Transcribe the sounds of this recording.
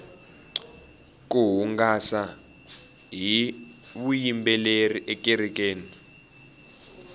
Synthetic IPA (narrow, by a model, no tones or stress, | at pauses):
kuɦuŋɡasa | ɦiβujimbɛleriʔɛkiɾik̬ʼeːni